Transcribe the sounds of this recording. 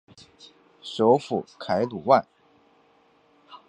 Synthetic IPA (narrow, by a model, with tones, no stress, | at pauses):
ʂo˧˥ʊfu˨˩kʰa˧˥ɪt̪u˨˩wa˥˩n